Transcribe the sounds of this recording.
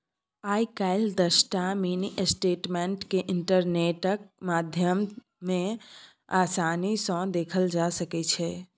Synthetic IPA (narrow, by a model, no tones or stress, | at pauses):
aikaɪld̪əsʈaminiʔesʈeʈmeɳʈkeʔiɳʈəɾneʈək̚mad̪ʱjəm | mẽ | asanisə̃d̪ekʰəld͡ʒasəkɛt͡ʃʰɛ